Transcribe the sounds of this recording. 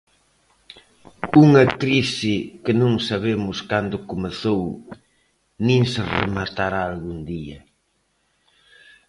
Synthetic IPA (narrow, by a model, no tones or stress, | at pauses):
uŋɐkɾisɪkɪnõŋsaβemʊskand̪ʊkomeθow | nĩŋsɪrḛmat̪aɾaːlɣuŋd̪iɐ̰